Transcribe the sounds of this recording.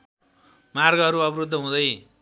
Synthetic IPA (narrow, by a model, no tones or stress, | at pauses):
marɡʌʌɾuʌbrud̪ʱːʌɦũd̪ʌj